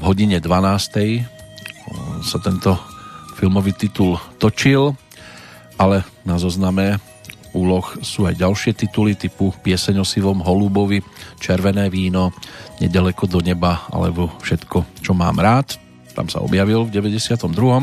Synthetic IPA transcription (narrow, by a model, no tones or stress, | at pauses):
vɦɔɟiɲɛd̪ʋanaːst̪ɛj | sat̪ɛnt̪ɔfilmɔʋiːt̪it̪ult̪ɔt͡ʃil | ʔalɛnazɔznamɛ | uːlɔxsuːajɟalʃɪɛt̪it̪ulit̪ipupɪɛsɛɲɔsiʋɔmɦɔlubɔʋit͡ʃɛɾʋɛnɛːʋiːnɔɲɛɟalɛkɔd̪ɔɲɛbaa̰lɛ̰bɔfʃɛt̪kɔt͡ʃɔma̰ːmɾaːt̪ | t̪a̰msa̰ɔ̰bjaʋilvɟɛʋɛɟɛsɪat̪ɔmd̪ɾuɦɔm